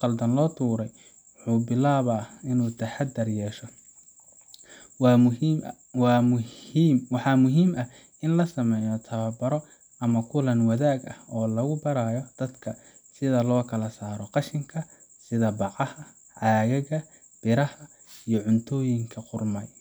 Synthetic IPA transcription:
qɑld̪ɐnlɔːt̪ʰuːɾɛj | wʊħuːbɪlaːβɐːɪnuːt̪ʰɐħad̪ɐrjɛːʃɔ | w | mwɑħɑːmʊɦiːmʔɐ | ɪnlɐsɐmɛjɔt̪ʰɐβɐbɐɾɔ | ɐmɐkʰʊlɐnwɐðaːɡɐhɔːlɐɣʊbɐɾaːjɔd̪̥ɐd̪kʰɐsɪðɐlɔːkʰɐlɐsaːɾɔqɑʃɪŋkʰɐ | sɪðɐbɑʕɑhɐ | ʕɑːɣɐɣɐ | b̥ɪɾɐhɐ | ijɔʕʊnt̪ʰɔːjɪŋkʰɐqʊrmɐj

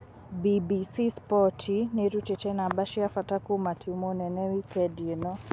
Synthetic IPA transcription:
bibisispɔtʰiniɾut͡ʃɛt͡ʃɛnabaʃiafatakumatʰiumɔnɛnɛwikɛdinɔ

